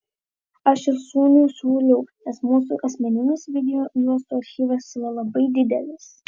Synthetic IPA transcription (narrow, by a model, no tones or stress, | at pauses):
ɐʃɪʃsuːnʲuːsʲuːlʲɛʊnʲɛsmuːsṵʔɐsʲmʲɛnʲɪnʲɪsʋʲɪd̪ʲɛjoːjuɔst̪uːɐɾʲxʲiːʋɐsiːɾɐlˠɐbɐɪd̪ʲɪd̪ʲɛlʲɪs